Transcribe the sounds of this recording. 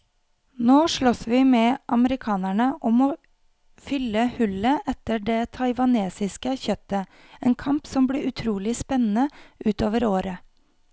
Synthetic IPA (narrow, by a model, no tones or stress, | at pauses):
noːʂɭɔsʋiːmɛːʔɑməɾɪkʰɑːnæɳəʔɔmoː | fʏlːəhʉləʔɛt̪əɖeːt̪ʰɑɪʋɑneːsɪskəçœt̪ə | eːnkʰɑmpsɔmbliːɾʉt̪ʰɾuːlɪspɛnn̩əʔʉːt̪oːʋəɾoːɾə